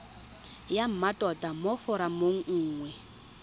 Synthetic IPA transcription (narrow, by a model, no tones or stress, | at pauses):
jam̩matʼɔtʼamɔfɔɾamoŋ̩ːŋwɛ